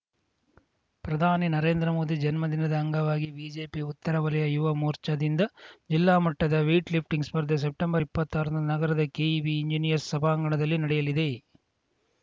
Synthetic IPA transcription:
pɾɐd̪ʱaːninɐɾe̞ːnd̪ɾɐmo̞ːd̪id͡ʒɐnmɐd̪inɐd̪ɐːŋɡɐʋaːɡibiːd͡ʒe̞ːpiut̪ːɐɾɐʋɐlɐjɐjuʋɐmoːɾt͡ʃɐd̪ind̪ɐd͡ʒilːaːmɐʈːɐd̪ɐʋeːʈlip̚ʰʈiŋɡspɐɾd̪es̬ep̚ʈembɐɾipːɐt̪ːaːɾɐnd̪unɐɡɐɾɐd̪ɐkeːibiːɲd͡ʒinijɐɾsːɐbʱaːɐŋɡɐɳɐd̪ɐlːinɐɽɛjɐlid̪e̞

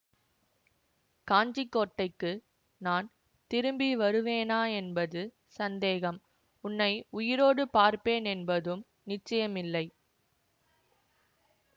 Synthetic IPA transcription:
kaːnd͡ʒɪkːoːʈːɐɪkːɯ | naːn | t̪ɪɾɯmbiʋɐɾɯʋeːnaːɛnbɐðɯ | sɐnd̪eːɣɐm | ʊnːɐɪʊjɪɾoːɽɯpaːɾpeːnɛnbɐðɯm | nɪt͡ʃːɐjɐmɪlːɐɪ

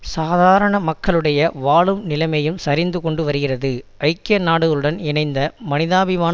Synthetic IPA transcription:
saːðaːɾɐɳɐmɐkːɐɭɯɽɐjɐʋaːɭɯmnɪlɐmɐjɯmsɐɾɪnd̪ɯkɔɳɖɯʋɐɾɯɣɪrɐðɯɐɪkːɪjɐnaːɽɯɣɐɭɯɽɐnɪɳɐɪnd̪ɐmɐnɪðaːbɪmaː

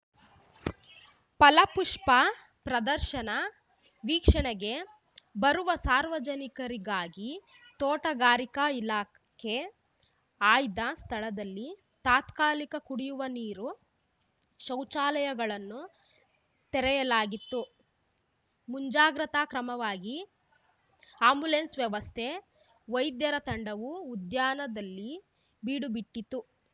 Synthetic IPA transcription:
pɐlɐpuʂpɐ | pɾɐd̪ɐɾʃɐnɐ | ʋiːkʂɐɳɐɡe̞ | bɐɾuʋɐsaːɾʋɐd͡ʒɐnikɐɾiɡaːɡi | t̪ɔːʈɐɡaːɾikɐilaː | kʰe | aːjd̪ɐst̪ʰɐɭɐd̪ɐlːi | t̪aːt̪kaːlikɐkuɽijuʋɐniːɾu | ʃɐwt͡ʃaːlɐjɐɡɐɭɐnːu | t̪ɛɾɛjɐlaːɡit̪ːu | muɲd͡ʒaːɡɾɐt̪aːkɾɐmɐʋaːɡi | aːmbulensʋjɐʋɐst̪ʰe | ʋɐjd̪jɐɾɐt̪ɐɳɖɐʋuːd̪jaːnɐd̪ɐlːi | biːɽubiʈːit̪ːu

